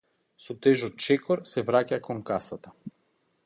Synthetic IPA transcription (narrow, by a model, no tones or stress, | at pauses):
sɔt̪ɛʒɔt̪̚t͡ʃɛkɔɾsɛvɾacakɔŋkasat̪a